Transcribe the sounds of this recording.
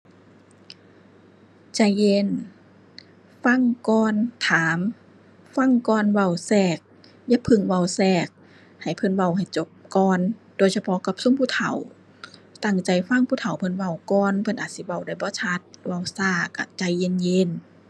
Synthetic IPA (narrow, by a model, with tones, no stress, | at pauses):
t͡ɕa˧˩jːe˧˨n | fa˧˥˨ŋkɔː˧˥nt̪ʰaː˨˦m | fa˧˥˨ŋkɔː˧˨nwa˧˩wsɛː˧˩k̚ | jaː˧˥pʰɯ˧˩˨ŋwa˧˩wsɛː˧˩k̚ | ha˨˩jpʰɤ˧˥˨nwa˧˩wha˨˩jt͡ɕo˧˦p̚kɔː˧˥ndoː˧˨jsa˧pʰɔ˧ka˧˦p̚so˧˥˨ŋpʰuː˧˥˨t̪ʰa̰˨˦w | t̪a˧˩ŋt͡ɕa˧˩jfa˧˨ŋpʰuː˧˥t̪ʰa˨˩wpʰɤ˧˨nwa˧˩wkɔː˧˥˨npʰɤ˧˥˨nʔaː˨˩t̪̚si˧˦wa˧˩wda˧˩jbɔː˧˦t͡ɕʰa˧˥t̪̚wa˧˩˨wsaː˧˩ka̰˧˩t͡ɕa˧˩jːe˧˥˨nje˧˥˨n